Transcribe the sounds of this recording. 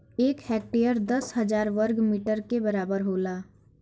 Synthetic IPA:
eːkhɛːk̚ʈejəɾd̪ɐsɦɐzaːɾʋəɾɡmiːʈəɾkebɐɾaːbəɾɦoːlaː

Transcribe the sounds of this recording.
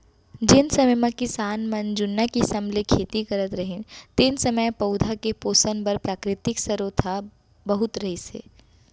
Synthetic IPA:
d͡ʒɪnsɐməjmɐ̃kɪsaːnmɐnd͡ʒʊnːakisɐmlekʰeːt̪ikɐɾət̪ɾɐɦɪnt̪ɪnsɐməjpɐʊd̪ʱakepoːsənbɐɾpɾaːkɾɪt̪ɪksɐɾot̪ʰa | bɐɦʊt̪ɾɐɦisḛː

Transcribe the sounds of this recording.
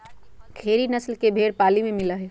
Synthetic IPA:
kʰeːɾinɐslkebʱeːɽpaːlimẽmɪlaɦɛː

